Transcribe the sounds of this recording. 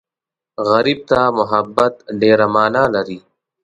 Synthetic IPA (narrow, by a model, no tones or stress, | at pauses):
ɣɐɾib̚t̪amʊɦabːat̪ɖeːɾamaːnaːlɐɾi